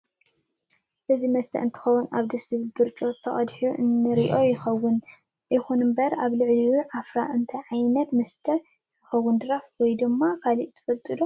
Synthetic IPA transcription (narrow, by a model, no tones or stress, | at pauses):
ʔɨzimɐst̪ʰɐ̰ʔɨnt̪ʰɨ̥xɐwunʔa̰βd̪ɐsɨβbɨɾt͡ʃʼot̪ʰɐχʼɐd̪ħuʔɨ̰nːɨɾiʔo̞jɪxɐwːʊn | ɪxunɨmbɐɾaβlɨʕliwuʕafɾaʔɨnt̪ʰɐʕajnɐt̪mɐst̪ʰɐ | jɪxɐwːʊnd̪ɨɾafwɔjd̪ɨmːakʰaliʔt̪ʰɐ̥fɐlt̪ʼɨlo